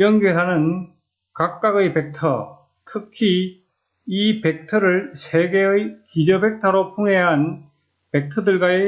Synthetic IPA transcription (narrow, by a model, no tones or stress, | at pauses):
jʌnɡeɾɦanɯn | kak̚k͈aɡɯjpe̞k̚tʰʌ | tʰɯkʰi | ipe̞k̚tʰʌɾɯɭsʰeɡeɯjkid͡ʑʌbe̞k̚tʰʌɾopʰuŋeɦan | pe̞k̚tʰʌdɯɭɡae